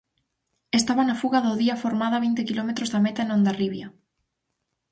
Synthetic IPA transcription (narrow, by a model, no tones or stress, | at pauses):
est̪aβanafuɣaðoðiafoɾmaðaβint̪ekilomet̪ɾozðamet̪aenõnd̪ariβja